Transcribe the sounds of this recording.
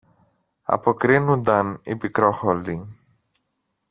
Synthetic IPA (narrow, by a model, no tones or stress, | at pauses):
ɐ̰po̞kɾinund̪ɐnḭpikɾo̞xoli